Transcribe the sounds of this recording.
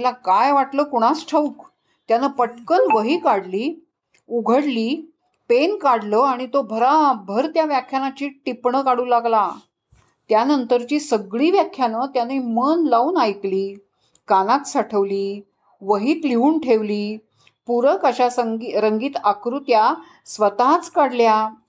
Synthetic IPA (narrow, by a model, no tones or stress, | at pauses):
lakajʋaʈləːkoɽ̃asʈʰəuk | t̪janəpəʈkənʋəɦiːkaɽliː | uɡʱəɽliː | penkaɽləːaɽ̃it̪obʱəɾabʱəɾt̪jaʋjakʰjanat͡ɕiːʈipɳəkaɽuːlaɡla | t̪janənt̪əɾt͡ɕiːsəɡɭiːʋjakʰjanət̪janəimənlauːnajkliː | kanat̪saʈʰəʋliː | ʋəɦiːt̪liuːɳʈʰeʋliː | puɾəkəɕasəŋɡiɾəŋɡiːt̪akɾut̪ja | sʋət̪at͡skaɽlja